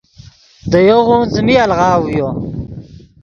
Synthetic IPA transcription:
d̪əjoɣunzmialʁɑːwujo

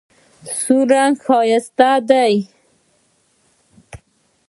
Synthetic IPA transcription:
suɾanxɑjast̪ad̪aj

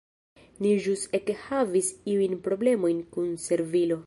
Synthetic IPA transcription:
niʒusekhavisiujnpɾo̞ble̞mo̞jnkunse̞ɾvilo̞

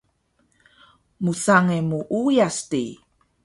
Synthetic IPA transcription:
musaŋemuʔujasti

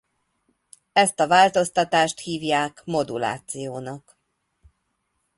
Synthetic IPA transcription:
ɛst̪ɒvaːlt̪o̞st̪ɒt̪aːʃt̪hiːvjaːkmo̞d̪ṵla̰ːt̪sijoːnɒk

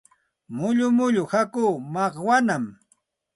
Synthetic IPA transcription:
mʊʎʊmʊʎʊhakuːmɑχwanam

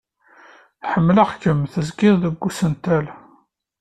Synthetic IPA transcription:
ħəmːləʁkəmθəzɡɪðˤðəɡʷːusənt̪æl

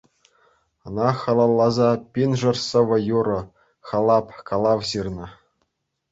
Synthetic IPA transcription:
ɤ̆nɑχɑlˠɑlˠːɑzɑpʲinʐɤ̆rsɤ̆ʋɤ̆juɾɤ̆ | χɑlˠɑpkɑlˠɑʋʑirnɤ̆

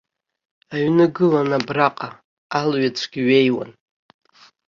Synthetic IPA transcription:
aɥnɨɡɨlanabraqʼa | alɥat͡sʷʰɡʲiɥe̞jwa̰n

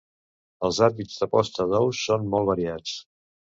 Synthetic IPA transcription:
əlˠzaɾβizd̪əpɔst̪əðɔwsonmɔlˠβəɾiat͡s

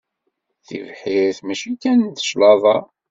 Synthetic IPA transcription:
θḭvħiɾθmæʃikːænd̪ə̥ʃlɑðˤɑ

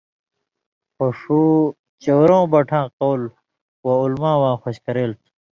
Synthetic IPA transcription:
xoʂuː | t͡ɕowɾõːbɐʈʰãːqowl | waulmãːwãːxoɕkɐɾeːlt̪ʰ

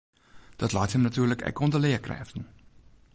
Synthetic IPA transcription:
d̥ɑd̥lɑːthemnætʰyːɐləɡ̥æ̰ɡ̥ɔndɐleɐkʰʁɛ̰fd̥n̩

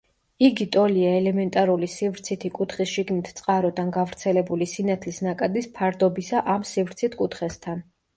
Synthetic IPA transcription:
iɡit̪ʼɔliaɛlɛmɛnt̪ʼaɾulisivɾt̪sʰit̪ʰikʼut̪ʰχisʃiɡnit̪ʰt̪sʼqʼaɾɔd̪anɡavɾt̪sʰɛlɛbulisinat̪ʰlisnakʼad̪ispʰaɾd̪ɔbisaʔamsivɾt̪sʰit̪ʰkʼut̪χɛst̪ʰan

